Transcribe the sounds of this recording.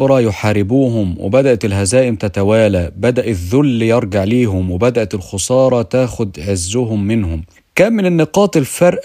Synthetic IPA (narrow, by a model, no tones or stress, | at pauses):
ɾˤɑjʊħaːɾɪbuːɦʊmwɪ̰bæd̪aʔt̪ɪlhæzaːʔɪmt̪at̪awaːlabæd̪aʔɪðːʊlːijɑɾˤɡɑʕliːɦʊmwɪbæd̪aʔæt̪ɪlxʊsˤɑːɾˤɑt̪aːxʊd̪ʕɪzːʊɦʊmːɪnhʊm | kæːmːɪnɪnːɪqɑːt̪ɪlfɑɾˤʔ